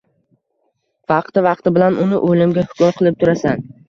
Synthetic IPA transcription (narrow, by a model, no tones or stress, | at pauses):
vɑqt̪ɪvɑqt̪ɪbɪlanʔʊnɪ̰ʔolɪmɡʲahʊ̥kʊmqʰɨlˠɪp̚t̪ʰʊɾasan